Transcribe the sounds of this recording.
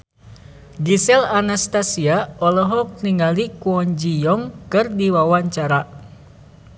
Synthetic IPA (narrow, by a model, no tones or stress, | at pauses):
ɡisɛlanast̪asiaɔlɔɦɔk̚niŋalikuɔɲd͡ʒijɔŋkɨrdiwawaɲt͡ʃaɾa